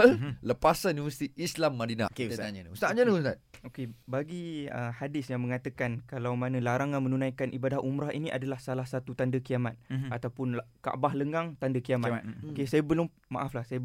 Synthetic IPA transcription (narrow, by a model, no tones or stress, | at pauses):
lləpasanũnivəsi̥t̪iʔislamːadina̰k̪aust̪aʔɲanəust̪at̪̚okebaɡiəhadɪsjaŋmə̃ŋat̪əkankalawmãnãlaɾaŋanmənunãjkanʔibadahʔumɾaɦiniʔa̰dalahsalahsat̪ut̪andəkiamat̪̚at̪awpʊnka̰ʔbahləŋɡaŋt̪andəkiamaokesajabəlʊmːa̰ʔaflahsaja